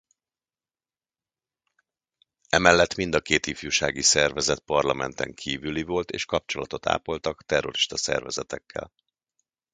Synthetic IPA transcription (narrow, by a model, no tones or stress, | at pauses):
ɛmɛlːɛt̪min̪d̪ɒkeːt̪ifjuːʃaːɡisɛrvɛzɛt̪̚pɒrlɒmɛnt̪ɛŋkʰiːvylivo̞lt̪eːʃkɒpt͡ʃo̞lɒt̪o̞t̪a̰ːpo̞lt̪ɒkt̪ɛrːo̞̰ɾiʃt̪ɒsɛ̰rvɛzɛt̪ɛkːɛ̰l